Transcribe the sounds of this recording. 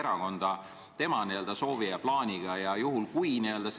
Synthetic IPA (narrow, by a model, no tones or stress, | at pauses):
eɾɑko̞nd̪̥ɑ | t̪e̞mɑniø̞ld̪̥ɑso̞ːviɑplɑːnʲiɡ̥ɑjɑjuɦulkujniø̞ld̪̥ɑs